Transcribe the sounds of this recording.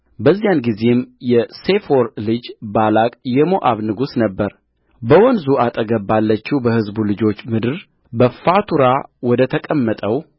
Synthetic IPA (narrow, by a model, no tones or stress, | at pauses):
bəzːijanɡize̞mjɛse̞foɾlɨd͡ʒbalakʼjɛmoʔaβnɨɡusnəbːəɾ | bəwɔnzuat̪ʼəɡəbːalːət͡ʃːiwbəhɨzbulɨd͡ʒo̞t͡ʃːmɨd̪ɨɾ | bəfat̪ʰuɾawɔd̪ət̪ʰəkʼəmːət̪ʼəw